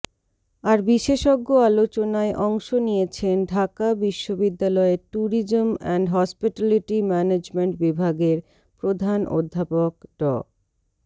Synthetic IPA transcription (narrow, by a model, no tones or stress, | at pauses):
aɾbiʃeʃoɡːoalot͡ɕonaeʔɔŋʃonijet͡ɕʰenɖʱakabiʃːobid̪ːalɔeʈuɾid͡ʑomɛɳɖɦɔspiʈaliʈimɛned͡ʑmeɳʈbibʱaɡeɾ | pɾod̪ʱanʔo̰d̪ʱːapok̚ɖɔ̰